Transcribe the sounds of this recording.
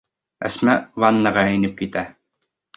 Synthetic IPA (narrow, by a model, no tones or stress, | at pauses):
æ̰smævɑnːɑʁɑænɘp̚kit̪æ